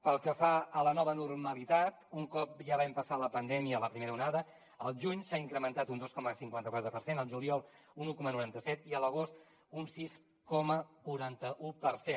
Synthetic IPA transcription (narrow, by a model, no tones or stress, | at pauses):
pəlˠkəfaələnɔβənurməlit̪at̪uŋkɔp̚ʒaβɛmpəsaləpənd̪ɛmiələpɾimeɾəunaðə | əlˠʒuɲsaiŋkɾəmənt̪at̪und̪oskɔməsiŋkwant̪əkwat̪ɾəpəɾrsenəlˠʒuliɔlˠ | unukɔmənuɾant̪əsɛt̪iələɣ̞ost̪ | unsis | kɔməkuɾant̪əʔupəɾse